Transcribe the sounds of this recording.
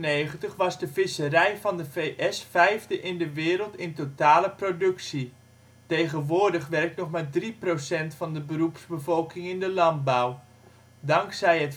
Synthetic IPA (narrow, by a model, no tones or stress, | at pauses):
nejχəntəχʋɑzdəfɪsərɛjvɑndəvejʔɛsfɛjvdəʔɪndəʋɪːɾəlˠtɪntotaːləprodɵksi | tejɣənʋʊːrdəχʋɛrk̚tnɔχmaːdriprosɛntfɑndəbərupsbəvɔlˠkɪŋɪndəlɑnt̚baw | dɑŋksɛjət